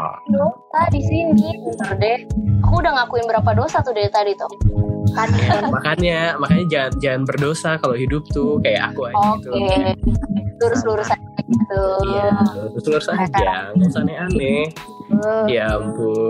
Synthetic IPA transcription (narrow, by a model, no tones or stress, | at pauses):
dosadisiniət̪udɛhakudaŋakuɪnbəɾapadosat̪udet̪adit̪ʊhkanamakanɲamakaɲad͡ʒaand͡ʒaŋanbərdosakaloɦidʊp̚t̪ʊkaja̰ʔakuaɲokt̪e | sluɾʊsluɾʊsaaɡit̪u | usluɾʊsaaaaɾŋsanɛanɛhəjampu